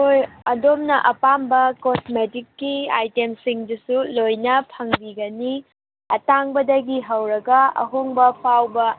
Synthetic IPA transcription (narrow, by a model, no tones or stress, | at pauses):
ojɐdomnɐʔɐpambɐkosmetikːiajtemsiŋdusulojnɐpʰɐŋbiɡɐni | ɐtaŋbɐdɐɡiɦɐwɾɐɡɐɐ̰ɦoŋbɐpʰawbɐ